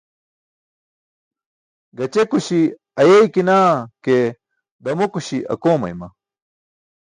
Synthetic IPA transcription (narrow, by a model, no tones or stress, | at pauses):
ɡɐt͡ɕekuɕi | ɐjejkinaːke | d̪ɐmokuɕiʔɐ̰koːmɐ̰jmɐ